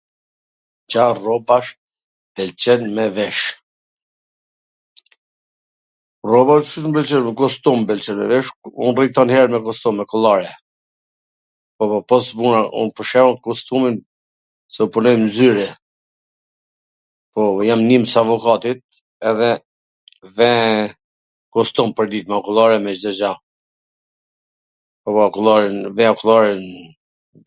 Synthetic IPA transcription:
d͡ʒarɔbaʃ | b̥ɛlt͡ʃɛnmɛvɛʃ | rɔbaʃmbɛlt͡ʃɛnmɛkɔst̪umbɛlt͡ʃɛnmɛ̰vɛʃunrit̪ɔnhɛɾmɛkɔst̪umːɛkɔlˠaɾɛ | pɔpɔsvunaṵnpəʃɛɔnkɔst̪umin | sɛupunɔjmnzyɾɛ | pɔjamnimsavɔkat̪it̪̚ | ɛðɛ | vɛ | kɔst̪umpəɾd̪it̪makulˠaɾɛmɛd͡ʒd̪ɔd͡ʒa | pɔakulˠaɾnvɛakulˠaɾɛn

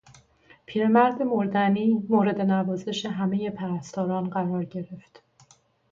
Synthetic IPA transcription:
pʰiːɾemæɾd̪e̞moɾd̪æniːmoːɾe̞d̪e̞nævɒːze̞ʃe̞ɦæme̞je̞pʰæɾæst̪ʰɒːɾɒːnɢæɾɒːɾɟe̞ɾe̞ft̪

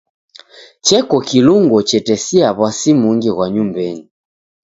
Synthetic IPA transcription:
t͡ʃɛkɔkiluŋɡɔt͡ʃɛtɛsiaβwasimuŋɡiɣwaɲumbɛni

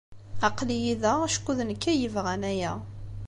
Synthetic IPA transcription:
ɑqlijiðæʃkːuðənkːæjəvʁænæjæ

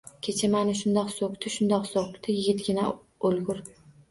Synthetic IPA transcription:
kʲʰet͡ʃʰamanɪʃ̬ʊnd̪ɒqsokt̪ɪʃʊnd̪ɒqsokt̪ɪjɪɡʲɪt̪ɡʲɪna | olˠɡʲʊɾ

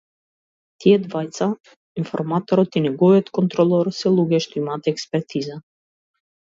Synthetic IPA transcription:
t̪jɛt̪vajt̪t͡sa | infɔ̰ɾmat̪ɔɾɔt̪inɛɡɔjɛt̪kɔnt̪ɾɔlˠɔɾsɛlˠuɡɛʃt̪ymat̪ɛɛkspɛɾt̪ʰiza

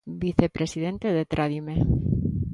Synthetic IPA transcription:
biθe̞pɾʔe̞sið̞e̞nt̪eðet̪ɾʔaðime

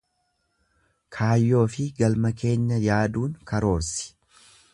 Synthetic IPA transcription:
kʰaːjːo̞ːfɪɡɐlmɐke̞ːɲːɐjaːd̪uːŋkɐɾo̞ːɾsɪ̥

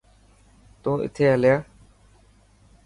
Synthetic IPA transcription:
t̪ũːʔɪ̰t̪ʰeːɦəljaː

